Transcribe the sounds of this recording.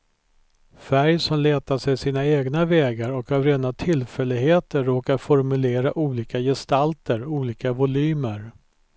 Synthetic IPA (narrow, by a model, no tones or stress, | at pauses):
fæɾjsɔmleːt̪aʂɛjsiːnaeːɡnavɛːɡaɾɔkavɾeːnat̪ʰɪlfɛlːɪɡɦeːt̪əːoːkaɾfɔɾmɵleːɾaʔuːliːkajɛst̪alt̪ʰəɾuːliːkavʊlyːməɾ